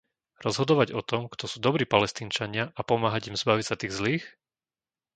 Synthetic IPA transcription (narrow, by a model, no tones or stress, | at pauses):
ɾɔzɦɔd̪ɔʋaɟɔt̪ɔmkt̪ɔsuːd̪ɔbɾiːpalɛst̪iːnt͡ʃaɲɪaʔapɔmaːɦaɟimzbaʋicsat̪iːɣzliːx